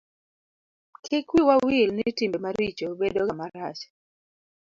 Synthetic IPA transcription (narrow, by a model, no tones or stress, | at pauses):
kʰɪkwiwawilnitimbemaɾit͡ʃobedoɡamaɾa̰t͡ʃ